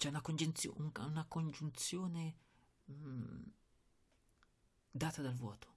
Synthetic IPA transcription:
t͡ʃɛunakond͡ʒunt̪sj̰unakond͡ʒunt̪sjoːne | d̪aːt̪ad̪alvwɔːt̪o̥

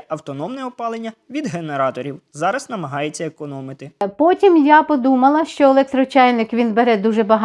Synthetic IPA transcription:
ɐwt̪ɔnɔmnɛɔpɑlˠenʲːɐʋʲid̪ɦeneɾɑt̪ɔɾʲiwzɑɾɐznɐmɐɦɑjet͡sʲːɐekɔnɔmɪt̪ɪpɔtʲimjapɔd̪umɐlˠɐʃt͡ʃɔelˠɛk̚t̪ɾɔt͡ʃɑjnɪkʋʲinbeɾɛd̪uʒɛbɐɦ

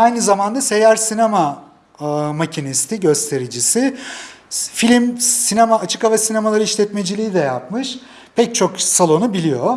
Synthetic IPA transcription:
ajnɯzamand̪ase̞jæɾsinema | macʰinist̪ʰiɟø̞st̪ʰe̞ɾid͡ʒisɪ | filʲimsinemaːt͡ʃʰɯ̥kavasine̞malˠaɾɯiʃlʲɛt̪me̞d͡ʒilʲijid̪ɛjap̚mɯʃ | pʰɛc̚t͡ʃʰo̞ksalˠo̞nubilʲijo̞

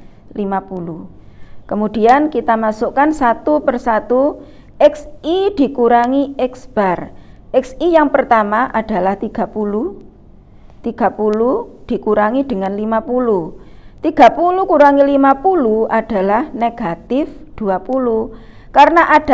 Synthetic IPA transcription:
limapulu | kəmud̥iankit̪amasukansat̪upərsat̪u | ɛksid̪̥i̤kuɾaŋiɛksb̥arɛksijaŋpərt̪amaʔad̥a̤laht̪iɡ̥a̤pulu | t̪iɡ̥a̤pulud̥i̤kuɾaŋid̥ə̤ŋanlimapulut̪iɡ̥a̤pulukuɾaŋilimapuluad̥a̤lahneɡ̥at̪ɪfd̪̥uapulu | kaɾənaʔad̥

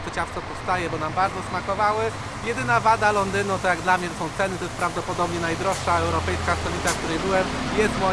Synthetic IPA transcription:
t̪ɔt͡ɕaft̪sɔpɔfst̪ajɛbɔnambaɾd̪zɔsmakɔvawɘ | jɛd̪ɘnavad̪alɔnd̪ɘnut̪ɔjaɡd̪lamɲɛt̪sɔ̃w̃t̪sɛnɘt̪ɔjɛst̪pɾavd̪ɔpɔd̪ɔbɲɛnajd̪ɾɔʂʂaɛwɾɔpɛjskast̪ɔlʲit̪afkt̪uɾɛjbɘwɛmjɛst̪mɔ

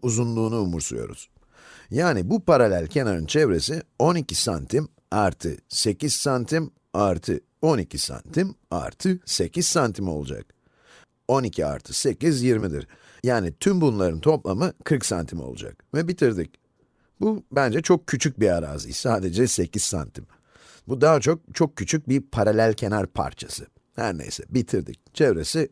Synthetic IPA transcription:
uzunlˠuːnuːmuɾsṵjo̞̰ɾṵz̥ | jaːnibupʰaɾalʲælʲcʰe̞naɾɯnt͡ʃʰɛvɾe̞sio̞nicisant̪ʰim | aɾt̪ʰɯ̰se̞ciz̥sant̪ʰim | aɾt̪ʰɯ | o̞nicʰisa̰nt̪ʰima̰ɾt̪ʰɯse̞cʰiz̥sant̪ʰimo̞̰lˠud͡ʒa̰k̚ | o̞nicʰia̰ɾt̪ʰɯ̥se̞cizjiɾmid̪ḭɾ | jaːnit̪ʰymbunlˠaɾɯnt̪ʰo̞plˠamɯkʰɯɾksa̰nt̪ʰimo̞̰lˠṵd͡ʒa̰k̚vɛbit̪ʰiɾd̪ic̚ | bubænd͡ʒɛt͡ʃʰo̞k̚cʰyt͡ʃʰyc̚biaɾa̰ːzɯ̰jsaːd̪e̞d͡ʒɛse̞ciz̥sa̰nt̪ʰim | bud̪aːat͡ʃʰo̞k̚t͡ʃʰo̞k̚cʰːyt͡ʃʰyc̚bipʰaɾalʲælʲcʰe̞naɾpʰa̰ɾt͡ʃʰasɯ | hæ̰ɾnḛjsɛ̰bit̪ʰiɾd̪ḭc̚t͡ʃʰevɾe̞si

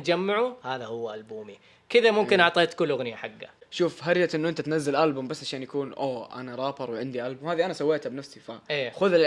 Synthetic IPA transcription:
d͡ʒamːaʕuhaːðahʊwːʔalbuːmi | kɪðamʊmkɪnʔɑʕt̪ˤeːt̪kʊlːʊɣnɪjaħaɡːa̰ʃuːfɦaɾd͡ʒat̪ʔɪnːuʔɪnt̪at̪nazːalʔalbʊmbasːʕaʃaːnjakuːnʔoːʔa̰naɾˤɑːbɑɾˤwʕɪnd̪iʔalbʊmhaːðiʔanasawːeːt̪abnafsifaeːxʊðɪ

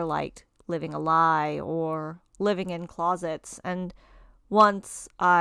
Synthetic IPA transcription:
ə˞la̰ɪk | lɪvɪ̃ŋəlaɪə˞ | lɪvɪ̃ŋɨ̃nkʰl̥ɑzɨtsɨ̃n | wʌ̃nsʔa

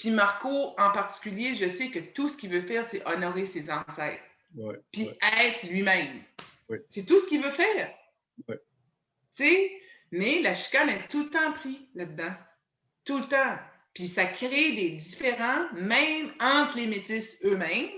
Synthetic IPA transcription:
pimaʁkoɑ̃paʁt̪i̥kʲyljeʒəsekət̪usə̥kʲivøfɛːʁsɛʔɔnɔʁesezɑ̃sɛɪt̪χ | piɛːt̪χlɥimɛ̃m | set̪uskʲivøfɛːʁ | se | melaʃi̥kanɛt̪ult̪ɑ̃pʁilad̪ːã | t̪ult̪ɑ̃ | pisakʲʁed̪ed̪ifeʁɑ̃mɛ̃mɑ̃t̪χlemet̪ɪsømɛ̃m

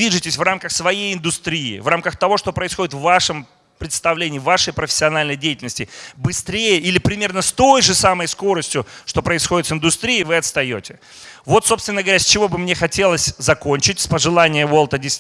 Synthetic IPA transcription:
iʐɨtʲɪsʲvramkəxsvɐjejɪnd̪ʊst̪ɾʲiɪ̰vramkəxt̪ɐvo̞ʂt̪o̞pɾəɪsxo̞dʲɪt̪vːaʂɨm | pɾʲɪt̪st̪ɐvlʲenʲɪːɪvaʂəjpɾəfʲɪ̥sʲːɪɐnalʲnəjdʲejɪtʲɪlʲnəsʲtʲɪbɨst̪ɾʲejəʔilʲɪpɾʲɪmʲe̞rnəst̪o̞jʐɨsaməjsko̞ɾəsʲtʲjʊʂt̪o̞pɾəɪsxo̞dʲɪt̪sɨnd̪ʊst̪ɾʲiːɪvɨɐt̪st̪ɐjo̞tʲɪ | vo̞t̪so̞pst̪vʲɪnːəɡəvɐɾʲasʲt͡ɕɪvo̞bɨmnʲe̞xɐtʲe̞lˠəsʲzɐko̞nʲt͡ɕɪtʲspəʐɨlˠanʲɪjəvo̞lˠt̪ədʲɪsʲ

